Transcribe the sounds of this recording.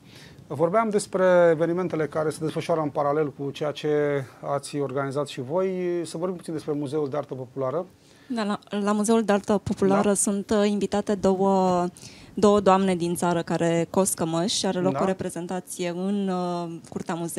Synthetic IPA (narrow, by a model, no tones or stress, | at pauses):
vo̞rbeamd̪e̞spɾe̞ːve̞nime̞nt̪e̞le̞kaɾe̞səd̪e̞sfəʃuaɾəɨnpaɾale̞lkut͡ʃejat͡ʃe̞at̪sʲo̞rɡanizat̪ʃivo̞jsəvorɾbimput̪ind̪espɾe̞muze̞uld̪eaɾt̪əpo̞pulaɾə | d̪aalamuze̞uld̪ealt̪əpo̞pulaɾəsunt̪iɱvit̪at̪e̞d̪owə | d̪o̞wəd̪oamne̞d̪int̪saɾəkaɾʔe̞ko̞skəməʃaɾe̞lo̞oɾe̞pɾe̞ze̞nt̪at̪sije̞ɨnkurt̪eamuze